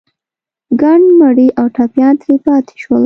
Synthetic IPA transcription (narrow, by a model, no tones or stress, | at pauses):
ɡaɳmaɽiʔawʈapjɑnt̪ɾepɑt̪ʰe̥ʃwəl